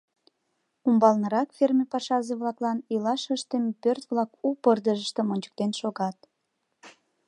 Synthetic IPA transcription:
umbɑlnəɾɑkfermʲepɑʃɑzeβlɑklɑnilɑʃəʃt̪əmpørt̪βlɑkupərd̪əʒəʃt̪ə̆monʲt͡ɕə̥k̚t̪enʃoɣɑt̪̚

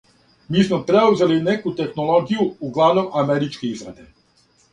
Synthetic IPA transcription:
miːsmopɾeuze̞linekut̪e̞xnoloɡijuːɡlˠaʋnomameɾit͡ʃkeizɾad̪e

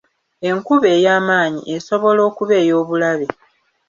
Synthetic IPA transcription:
e̞ŋkuβe̞ːjaːmaːɲḭʔeso̞βo̞lo̞ːkuβe̞ːjo̞ːβulaβe

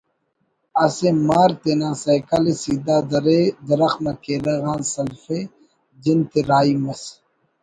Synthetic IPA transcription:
ɐsemaːɾt̪enãːsɐjkɐlesid̪aːd̪ɐɾed̪ɐɾɐxmɐkeːɾɐɣaːnsɐlfe | d͡ʑint̪eɾaːimɐs

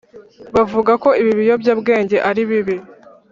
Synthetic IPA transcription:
βavuɡako̞iβiβijo̞bjaːbɡe̞ːɲɟe̞ʔaɾiβiβi

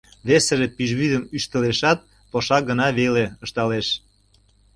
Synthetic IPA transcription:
βeseʒepyʒβyd̪əmyʃt̪əleʃɑt̪̚ | poʃɑɡə̆nɑβeleəʃt̪ɑleʃ

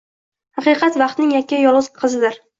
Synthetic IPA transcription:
hɑqɨqʰɑt̪vɑq̚t̪nɪŋjakʲːajɒlˠʁɨzqʰɨzɪd̪ɪɾ

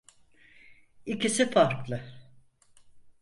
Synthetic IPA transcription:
icisifaɾklˠɯ

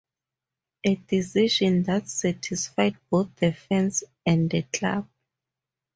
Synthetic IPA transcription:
ʔedisiʃɔ̃nðatsatʰisfajd̚boθdɛfɛ̃ns | ɛ̃nəkʰla̰b̥̚

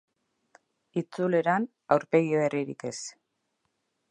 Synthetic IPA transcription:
it͡sule̞ɾan | awɾpe̞ɣiβeriɾḭke̞s

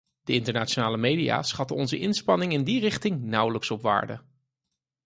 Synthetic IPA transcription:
d̥əɪntəɹnaːt͡ʃonaːləmejdia̰ːsχɑtənɔnzəʔɪnspɑnɪŋɪndirɪχtɪŋnʌwləksɔpʋa̰ːɹdə̰

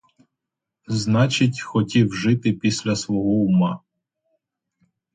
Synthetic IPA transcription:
znɑt͡ʃɪtʲxɔtʲiwʒɪt̪ɪpʲisʲlʲɐsʋɔɦɔʊmɑ

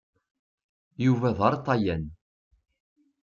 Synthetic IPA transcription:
juvæðˤɑɾˤt̪ˤɑjæn

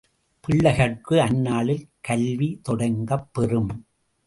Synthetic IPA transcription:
pɪɭːɐɣɐɽkɯɐnːaːɭɪlkɐlʋit̪ɔɽɐŋɡɐpːɛrɯm

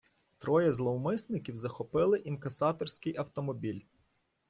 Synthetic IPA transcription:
t̪ɾɔjɛzlˠɔwmɪsnɪkʲiwzɐxɔpɪlˠɪʔinkɐsɑt̪ɔrsʲkɪjɐwt̪ɔmɔbʲilʲ

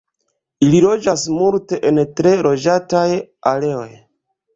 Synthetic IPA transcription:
ililo̞d͡ʒasmulte̞ʔentɾe̞ɾo̞d͡ʒatajale̞o̞̰j

